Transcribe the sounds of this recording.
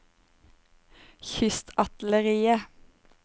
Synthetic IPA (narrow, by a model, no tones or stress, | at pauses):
çʏst̪ɑt̪l̩əʁiːə